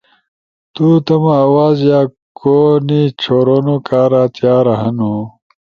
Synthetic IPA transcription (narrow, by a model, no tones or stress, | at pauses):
t̪ut̪ɐmɐːwaːzjaːkonit͡ɕʰoːɾonokaːɾat̪jaːɾɐɦɐnu